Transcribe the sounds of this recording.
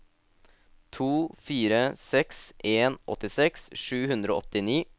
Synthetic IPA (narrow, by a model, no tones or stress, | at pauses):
t̪ʰuːfiːɾəsɛksʔeːnʔɔ̰t̪ɪsɛksʂʉːhʉnd̪ɾo̰ːɔt̪ɪniː